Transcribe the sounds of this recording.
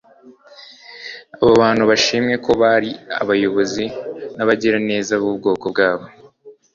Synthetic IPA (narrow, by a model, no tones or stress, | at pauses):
aβoβaːnhuβaʃimɲe̞kʰo̞βaɾia̰βajo̞βo̞zinaβaɟiɾane̞ːzaβub̚ɡo̞ːko̞b̚ɡaːβo̞